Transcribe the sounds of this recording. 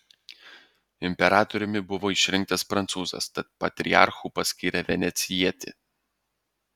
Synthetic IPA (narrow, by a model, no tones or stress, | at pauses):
ɪmʲpʲɛɾɑːt̪ɔɾʲʊmʲɪbʊʋoːɪʃʲɾʲɪŋk̚t̪ɐspɾɐnt̪suːzɐ̰st̪ɐt̪̚pɐt̪ʲɾʲɪ̰ɑ̰ːˑɾxuːpɐsʲkʲiːɾʲɛʋʲɛnʲɛt̪sʲɪjiɛt̪ʲɪ̰